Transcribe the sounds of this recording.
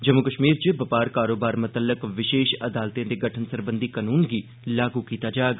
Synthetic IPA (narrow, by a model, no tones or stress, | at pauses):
d͡ʒəmʊkəʃmiːɾd͡ʒebəpaːɾkaːɾoːbaːɾmət̪ələkʋɪʃeːʃəd̪aːlt̪iãːd̪eːɡəʈʰənsəɾbənd̪iːkanuːnɡiː | laːɡuːkiːt̪aːd͡ʒaːeɡ